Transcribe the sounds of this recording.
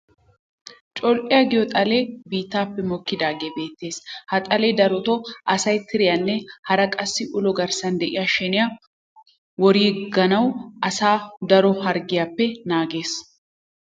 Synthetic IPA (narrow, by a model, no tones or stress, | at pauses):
t͡ʃʼɔlpʼɪjɐɡɪjɔt̪ʼɐleːbiːt̪ːaːpːɛmɔkːɪd̪aːɡe̞ːbe̞ːt̪ːe̞ːshɐt̪ʼɐleːd̪ɐɾɔt̪ɔʔɐsɐjt̪ɪɾɪjɐnːɛhɐɾɐkʼɐsːɪʔʊlɔɡɐɾsɐnd̪ɛʔɪjaʃɛnɪja | wɔɾiːɡɐnɐwʔɐsaːd̪ɐɾɔhɐɾɡɪjapːɛnaːɡe̞ːs